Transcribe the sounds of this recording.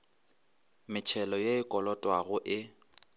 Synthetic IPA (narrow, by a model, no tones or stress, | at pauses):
mɪt͡ʃʰɛlɔjeɪkʼɔlɔtʼwaɣʊʔɪ